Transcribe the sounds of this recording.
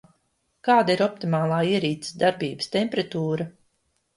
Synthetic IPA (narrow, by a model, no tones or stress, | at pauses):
kaːd̪aiɾɔp̚t̪imaːlˠaːiɛɾiːt̪si̥d̪aɾbiːbəst̪ʲɛmpɾat̪uːɾa